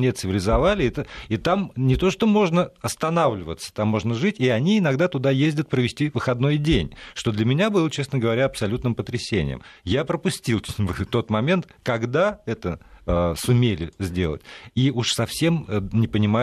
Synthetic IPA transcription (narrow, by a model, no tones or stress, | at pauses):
nʲet̪sɨvʲɪlʲɪzɐvalʲɪt̪əit̪amnʲɪt̪o̞ʂt̪o̞mo̞ʐnəɐst̪ɐnavlʲɪvə̰t̪sə̥t̪amːo̞ʐnəʐɨtʲiɐnʲiɪnɐɡd̪at̪ʊd̪ajezʲdʲət̪̚pɾəvʲɪsʲtʲivɨxɐd̪no̞jdʲenʲʂt̪o̞d̪lʲəmʲɪnʲabɨlˠət͡ɕe̞snəɡəvɐɾʲaɐpsɐlʲut̪nɨmpət̪ɾʲɪsʲenʲɪ̰jə̰mjapɾəpʊsʲtʲilˠvɨt̪o̞t̪mɐmʲe̞nt̪kɐɡd̪aɛt̪əsʊmʲelʲɪ̰zʲdʲelˠə̰tʲiuʂsɐfsʲe̞mnʲɪpənʲɪma